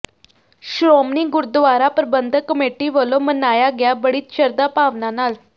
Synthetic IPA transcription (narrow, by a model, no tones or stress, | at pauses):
ɕɾomniɡuɾd̪ʋaɾapəɾəbənd̪ʱəkəmeʈiːʋəlomənajaɡjabəɽiːt̪ɕəɾd̪apaʋnanal